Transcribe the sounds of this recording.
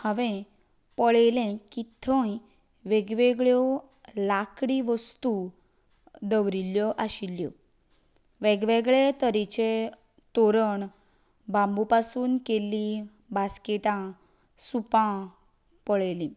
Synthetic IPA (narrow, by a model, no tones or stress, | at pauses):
həʋẽ | pəɭelẽkit̪ʰə̃j | ʋeɡʋeɡɭjɔ | lakɽiʋəst̪u | d̪əʋɾiljɔʔaɕiljɔ̰ | ʋeɡʋeɡɭet̪əɾit͡ɕe | t̪oɾəɳ | bambupasuːnkelːĩ | baskeʈã | supã | pəɭelĩ